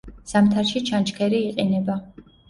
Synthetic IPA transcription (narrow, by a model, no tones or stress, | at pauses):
z̥amt̪ʰaɾʃit͡ʃʰant͡ʃʼkʰɛɾiːqʼinɛba